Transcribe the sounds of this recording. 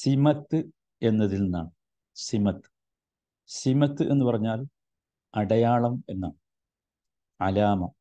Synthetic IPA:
simɐt̪ːɨ | e̞nːɐðilnːa̰ːɳ | simɐt̪ːɨ̥ | simɐt̪ːɨʔe̞nːupɐrɐɲːaːl | ɐɽɐjaːɭɐme̞nːaːɳ | ʕɐ̰laːmɐ

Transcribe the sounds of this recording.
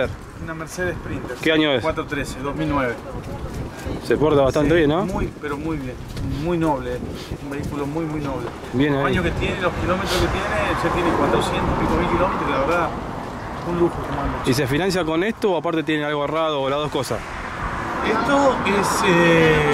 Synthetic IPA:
eɾ | unameɾseðespɾint̪eɾkeaɲoeswat̪ɾot̪ɾeseðozmilnweβe | sepoɾt̪aβat̪ant̪eβjenːomujpeɾomujβjenmujnoβle | esumbeikulomujmujnoβle | bjenaaiɲoket̪jeneloskilomet̪ɾosket̪jeneset̪jenekwat̪ɾosjent̪oipikomilkilo̞met̪ɾolaβeɾða | unluxokomanois̬efinãns̬jako̞nest̪oːapaɾt̪et̪̬jenealɣoeraðoːlaðo̞hko̞sa̰s | et̪oese

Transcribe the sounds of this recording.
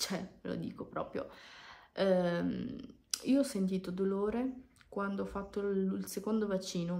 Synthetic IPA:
t͡ʃɛlo̰d̪ḭːkopɾɔ̰ːpɾjo̰ | iːoɔsːent̪̬iːt̪od̪oloːɾekwand̪oɔfːat̪ːolsekond̪ovat͡ʃːiːno

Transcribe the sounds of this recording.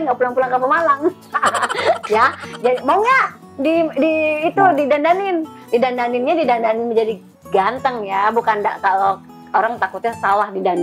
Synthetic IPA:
nɡaʔpulaŋpulaŋkapəmalam | jad͡ʒadimoŋɲaʔ | didiːt̪udidandanɪn | didandanɪnɲadidandanɪnməɲd͡ʒadi | ɡant̪əŋjabukanda̰ʔkalo | oɾaŋt̪akut̪̚ɲasalahdidan

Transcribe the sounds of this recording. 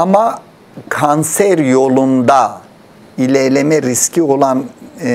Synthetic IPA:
ama | kʰansæɾjo̞lˠund̪a | ilʲɛɾlʲemɛɾiscʰio̞lˠan

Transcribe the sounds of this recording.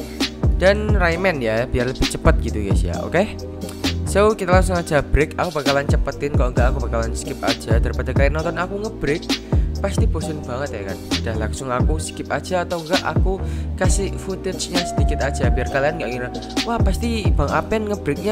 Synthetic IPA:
d̥anrajmɛnjajab̥iarləb̥ɪht͡ʃəpət̪̚ɡ̥it̪uka̰sia̰o̰ke | sokit̪alaŋsʊŋḁd͡ʒ̥a̤b̥ɾɪkakub̥akalant͡ʃəpət̪ɪnkaloŋɡaʔakubakalanskɪp̚a̰d̥d͡ʒ̥ad̥aɾipadakanɔnt̪ɔnakuŋəb̥ɾɪk̚past̪ib̥osʊnb̥aŋət̪jakanud̥ahlaŋsʊŋakuskɪp̚ad̥d͡ʒ̥aːt̪awŋɡaʔa̰kukasɪfut̪ɪt̪sɲasədikɪt̪ad̥d͡ʒ̥a̤biarkalianŋɡaʔkiɾa | wahpast̪ib̥aŋapɛnŋəb̥ɾɪk̚ɲa

